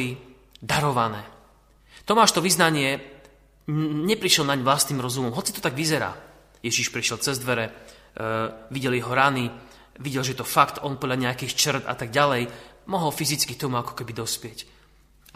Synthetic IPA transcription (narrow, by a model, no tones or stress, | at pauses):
i | d̪aɾɔʋanɛː | t̪ɔmaːʃt̪ɔʋiznaɲɪɛ | ɲɛpɾiʃɛlnaɲʋlast̪niːmɾɔzumɔmɦɔt͡sit̪ɔ̥t̪aɡʋizɛɾa̰ː | jɛʒiʃpɾiʃjɛlt͡sɛzd̪ʋɛɾɛ | ʋiɟɛljɛɦɔɾani | ʋiɟɛlʒɛjɛt̪ɔfakt̪ɔnpɔd̪laɲɛakixt͡ʃr̩t̪a̰t̪aɡ̚ɟalɛjmɔɦɔlfizit͡skit̪ɔmuakɔ̥kɛbid̪ɔspɪɛc